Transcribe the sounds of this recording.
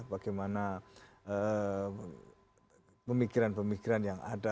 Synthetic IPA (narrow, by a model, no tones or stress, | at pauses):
baɡajmana | ə | pəmikiɾanpəmikiɾanjaŋa̰da